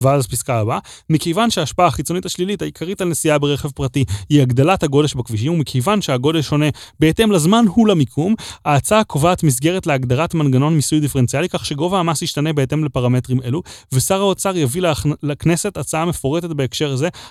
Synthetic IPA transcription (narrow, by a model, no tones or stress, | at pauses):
veazpiskaabameke̞jvanʃeaːʃpaaχit͡so̞nitaʃlilithaikʰaʁitalnesiabeʁeχe̞vpʁatihiaɡd̪alathaɡo̞deʃbakviʃ̬imumekʰe̞jvanʃeaɡo̞de̞lʃo̞ne̞be̞ːte̞mlazmanhulamikʰumaːt͡saakʰo̞vaːt̪mis̬ɡe̞ʁetle̞aɡd̪aʁatmanɡano̞nmisujd̪ife̞ent͡sialikaχʃeɡo̞vaːmasiʃtane̞beːte̞mle̞paʁame̞tʁime̞luvesaʁaot͡saʁjavilelakne̞se̞tat͡saame̞fo̞ʁet̪etbeːkʃe̞ʁaze̞